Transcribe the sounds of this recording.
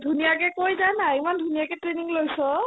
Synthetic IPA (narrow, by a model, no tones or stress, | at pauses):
dʱunijakɛkojzanaimandʱunijakɛtɹeniŋlojsɔ